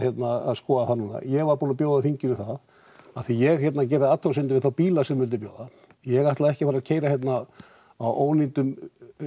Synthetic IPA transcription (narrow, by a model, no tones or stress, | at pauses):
jɛt̪naa̰ðskɔːðaθanuːna̰jɛɣvaɾpuːnapjoːwðafiɲcɪnʏθað | aθijɛɣçjɛt̪nac̬ɛːɾɪat̪ʰːasɪnt̪ɪɾvɪðθawpiːlasɛmvʏlt̪ʏpjo̰ːwða | jɛɣaht̪laðɛhcɪfaːɾacʰeːjɾaçjɛt̪na | awʔoːwnint̪ʏm